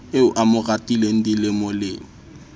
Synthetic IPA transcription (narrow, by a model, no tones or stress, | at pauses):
eʊʔamʊratʼilen̩dilɪmʊlɪŋ̩